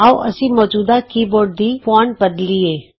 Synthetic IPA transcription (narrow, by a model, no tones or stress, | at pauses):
aːʔɐsĩmɔːd͡ʒuːd̪akiːboːɖ̚d̪ifɔːɳbəd̪lieː